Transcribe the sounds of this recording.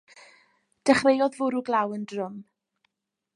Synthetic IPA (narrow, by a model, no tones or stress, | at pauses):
d̥ɛχrejɔðvʊɾuɡlˠawəndrʊm